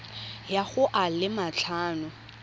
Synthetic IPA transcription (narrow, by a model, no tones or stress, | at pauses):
jaχʊʔalɪmat͡ɬʰaːnʊ